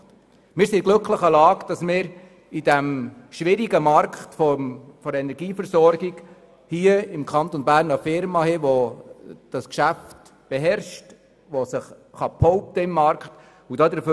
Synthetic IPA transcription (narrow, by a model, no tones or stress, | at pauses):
mɪːɾsiɡ̥lɵkχləχəlɑːkd̥ɑsmɪːɾ | id̥æmʃʋɪɾiɡəmɑɾkχtfɔfɔɾɛnɛɾɡiːfəɾsɔɾɡiɡ | hiːəɪmkʰχɑnt̪ɔnbæːɾnəfɪɾmɑhɛʋo | d̥ɑskʃæft | b̥eɦɛɾʃt | ʋosəχ | χɑpʰhɔʊp̚təɪmːɑɾkχt | udɑːd̪əɾfø